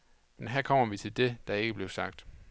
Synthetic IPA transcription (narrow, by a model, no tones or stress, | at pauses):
menɦæɐ̰kʰɒ̽m̰ɐʋit͡sʰe̝ld̥e̝d̥ɑ̈e̝ɡ̥əb̥le̝ʊsɑ̈ɡ̥̚d̥